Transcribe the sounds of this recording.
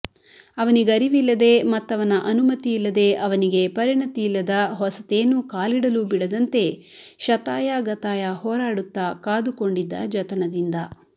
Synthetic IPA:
ɐʋɐniɡɐɾiʋilːɐd̪e̞mɐt̪ːɐʋɐnɐʔɐnumɐt̪iːlːɐd̪e̞ʔɐʋɐniɡe̞pɐɾiɳɐt̪iilːɐd̪ɐɦɔsɐt̪e̞ːnuːkaːliɽɐlubiɽɐd̪ɐnt̪e̞ | ʃɐt̪aːjaɡɐt̪aːjɐhɔːɾaːɽut̪ːaːkaːd̪uko̞ɳɖid̪ːɐ̰d͡ʒɐt̪ɐnɐd̪ind̪ɐ

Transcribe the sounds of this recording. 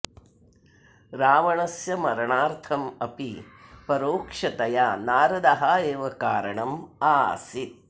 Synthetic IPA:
ɾaːʋɐɳɐsjɐmɐɾɐɳaːɾt̪ʰɐmɐpi | pɐɾoːkʂɐt̪ɐjaːnaːɾɐd̪ɐɦaːeːʋɐkaːɾɐɳɐma̰ːsit̪̚

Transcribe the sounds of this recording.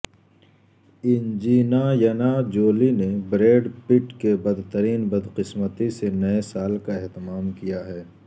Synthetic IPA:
ɪnd͡ʒiːnajɐnad͡ʒoːlinebɾeːɖpɪʈkebɐd̪t̪əɾiːnbɐd̪qɪsmət̪isenɐesaːlkaɛɦt̪ɪmaːmkijaɦɛː

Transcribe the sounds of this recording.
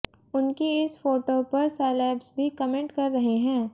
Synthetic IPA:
ʊnkiɪsfoːʈopɐɾsɛːlɛːbsbʱikɐmẽɳʈkɐɾːɐɦeɦɛ̃ː

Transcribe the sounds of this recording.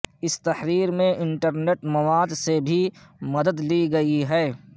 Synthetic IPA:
ɪst̪ɐhɾiːɾmẽʔɪ̃ɳʈəɾneːʈmɐʋaːd̪sebʱimɐd̪əd̪liɡɐiɦɛː

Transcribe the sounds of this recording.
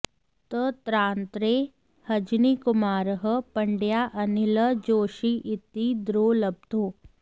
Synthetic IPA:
t̪ət̪ɾãːnt̪ɾeː | hɐd͡ʒniːkʊmaːɾɦəpɐɳɖjaːʔɐnɪləd͡ʒoːʃiːʔɪt̪id̪ɾoːlɐb̚d̪ʱoː

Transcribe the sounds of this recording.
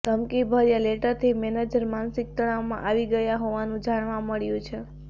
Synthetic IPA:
t̪əmkibʱəɾjaleʈəɾt̪ʰimɛned͡ʒəɾmansɪk̚t̪əɽaʋmã̰ʔaʋiɡəjaɦoʋanũd͡ʒaɽ̃ʋãməɭjũt͡ʃʰe

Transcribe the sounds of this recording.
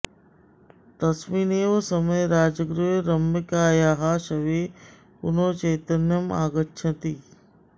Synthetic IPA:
t̪ɐsmiːneːʋəsɐməjɾaːd͡ʒəɡɾuɦɾɐmɪkaːjaːɦaːʃɐʋeː | ʊnõːt͡ʃɐːt̪ənjəma̰ːɡətːʃʰɐ̃t̪iː

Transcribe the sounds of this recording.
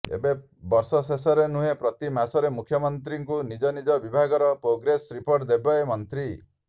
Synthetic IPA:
ḛbe | bɔɾsɔsesɔɾenuɦepɾɔt̪imasɔɾemukʰjɔmɔnt̪ɾiŋkunid͡ʒɔnid͡ʒɔbibʱaɡɔɾɔpɾoɡɾesɾipoɾʈd̪ebaemɔnt̪ɾi

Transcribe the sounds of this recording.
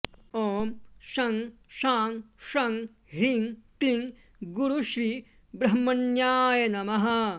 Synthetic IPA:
oːmʃɐŋʃaːŋʃɐŋ | ɦiŋkliŋ | ɡuɾuʃɾiː | bɾɐɦmɐnjaːjɐnɐmɐɦɐ̆

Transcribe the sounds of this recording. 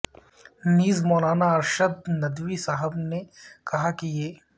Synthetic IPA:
niːzmɔːlaːnaɐɾʃəd̪nɐd̪ʋisaɦəbnekɐɦakijeː

